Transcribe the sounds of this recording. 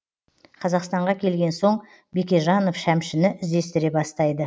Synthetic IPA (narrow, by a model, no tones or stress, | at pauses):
qʰɑzɑqst̪ɑɴʁɑkʲʰe̞lɡʲe̞nso̞ɴ | bekʲeʒɑno̞fʃæmʃɪnɪʔɪzd̪e̞st̪ɪɾe̞bɑst̪ɑjd̪ə